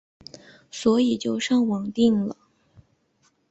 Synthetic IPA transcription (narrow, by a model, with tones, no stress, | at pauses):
swɔ˧˥i˨˩t͡ɕjo˥˧ʊʂɑ˥˩ŋwɑ˨˩ŋt̪i˥˩ŋlə˩